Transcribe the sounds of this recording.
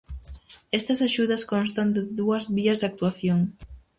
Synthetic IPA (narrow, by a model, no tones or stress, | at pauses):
est̪ɐsaʃuðɐskonst̪and̪ɪðuɐzβiɐzðak̚t̪uaθjoŋ